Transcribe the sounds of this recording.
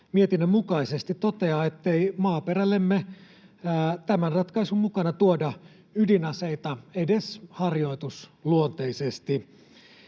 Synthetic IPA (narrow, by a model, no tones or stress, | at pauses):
miet̪inːømmukɑisest̪it̪ot̪eɑet̪ːeimɑːperælːemːe | t̪æmænrɑt̪kɑisummukɑnɑt̪uodɑ | ydinɑseit̪ɑedeshɑrjo̞it̪usluont̪eisest̪i